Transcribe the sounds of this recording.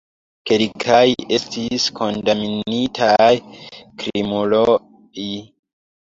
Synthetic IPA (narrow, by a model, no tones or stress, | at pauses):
kelkʰaje̞stiskʰo̞ndaminitʰajkɾimolo | i